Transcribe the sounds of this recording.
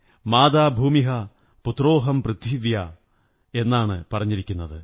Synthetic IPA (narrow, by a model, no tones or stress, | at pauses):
maːd̪aːbʱuːmiɦɐ | put̪ro̞ːɦɐmprɨd̪ʱiʋjɐ | e̞nːaːɳɨpɐrɐɲːiɾikʲːunːɐðɨ